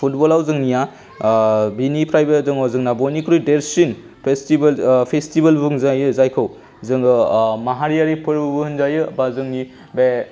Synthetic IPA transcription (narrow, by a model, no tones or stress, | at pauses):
pʰut̚bolawzɯŋnija | binipʰɾajbezɯŋawzɯŋnabonikʰɾujdeɾsin | pʰestibelpʰestibalbbuŋzajɯzajkʰɯw | zɯŋɯmaɦaɾijaɾipʰɯɾbɯbɯhɯnzajɯbazɯŋni | be